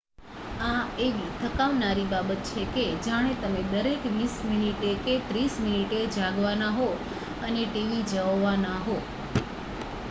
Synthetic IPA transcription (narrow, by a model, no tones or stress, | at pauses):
aeʋit̪ʰəkaʋnaɾibabət̪̚t͡ʃʰeked͡ʒaɽ̃et̪əmed̪əɾekʋisminiʈeket̪ɾisminiʈed͡ʒaɡʋanaɦo | əneʈeʋid͡ʒəʋʋanaɦo